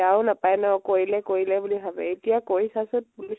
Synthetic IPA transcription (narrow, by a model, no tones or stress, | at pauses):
aʊ̃napajnaɔkoɹilɛkoɹilɛbuliɦabɛetijakoɹisasʊt̚buli